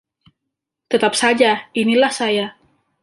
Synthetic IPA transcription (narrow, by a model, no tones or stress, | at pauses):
t̪ət̪ap̚sad͡ʒainilahsaja